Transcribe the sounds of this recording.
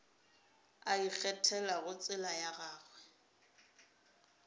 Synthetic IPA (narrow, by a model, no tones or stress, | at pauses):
aik͡xʰɛtʰɛlaɣʊt͡sʼɪlajaɣaːɣwɛ